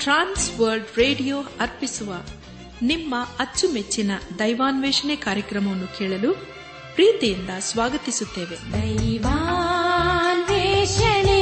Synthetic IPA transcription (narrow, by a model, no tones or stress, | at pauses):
ʈɾaːnsʋɐɾɖɾeːɖijoːɐɾpisuʋɐ | nimːɐɐt͡ʃːumet͡ʃːinɐd̪ɐjʋaːnʋɛːʂɐnekaːɾjɐkɾɐmɐʋɐnːukeːɭɐlu | pɾiːt̪ijind̪ɐsʋaːɡɐt̪isut̪ːeːʋe̞d̪ɐjʋa | nʋɛʃɐne